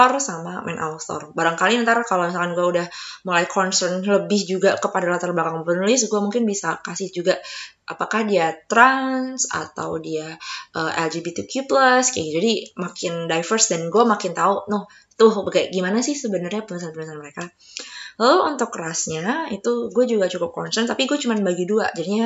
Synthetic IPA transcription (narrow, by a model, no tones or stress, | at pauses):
ɔrsamamʔɛ̰nʔa̰wst̪ɔ̰rbaɾaŋkalinant̪aɾakalomisalkanɡuaudahmulajkʰɔnsərnləbɪhd͡ʒuɡakəpadalat̪ərbakaŋpənulɪs̬ɡuamuŋkɪnbisakasɪhd͡ʒuɡaʔapakahdiat̪ɾansa̰t̪a̰wdiaʔəʔɛ̰ld͡ʒibit̪ikʰjupləskɡud͡ʒadimakɪndajfərsdɛnɡuamakɪnt̪aunʊh | t̪ʊhbaɡaɡimanasɪhsəbənərɲapənus̬anpənusanməɾeka | kklaloʔunt̪ʊkːəɾasɲait̪uɡuad͡ʒuɡat͡ʃukʊp̚kɔnsərnt̪apiɡuat͡ʃumanbaɡidua̰d͡ʒadiɲa